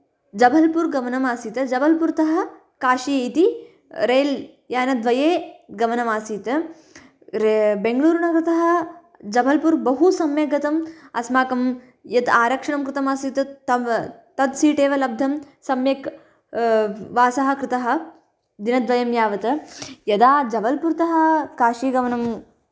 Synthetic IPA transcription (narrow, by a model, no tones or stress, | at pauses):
d͡ʒɐbʱɐlpuɾɡɐmɐnɐmaːsiːt̪ɐd͡ʒɐbʱɐlpuɾt̪ɐɦɐ̆ | kaːʃiit̪i | ɾeːl | jaːnɐd̪ʋɐjeːɡɐmɐnɐmaːsiːt̪ɐ | beŋɡluːɾɳɐkɾɪt̪ɐɦɐ̆ | d͡ʒɐbʱɐlpuɾbɐɦusɐmjɐɡɐt̪ɐmɐ̰smaːkɐm | jɐt̪aːɾɐkʂɐɳɐmkɾɪt̪ɐmaːsiːt̪ɐt̪ɐt̪ɐd̪siːʈeːʋɐlɐb̚d̪ʱɐm | sɐmjɐk | ʋaːsɐɦɐ̆kɾɪt̪ɐɦɐ̆ | d̪inɐd̪ʋɐjɐmjaːʋɐt̪ɐjɐd̪aːd͡ʒɐbɐlpuɾt̪ɐɦɐkaːʃiːɡɐʋɐnɐm